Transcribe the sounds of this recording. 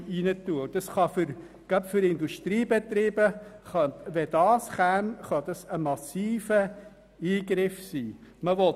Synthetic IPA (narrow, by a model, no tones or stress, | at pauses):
inətuːəd̥ɑsχɑfʏɾ | ɡ̥apfʏɾɪnduʃtɾiːbɛt̪ɾiːb̥əχɑʋɛdɑːsχænχɑd̥ɑsəmɑsiːfə | iːɡɾɪfsiːməʋɔ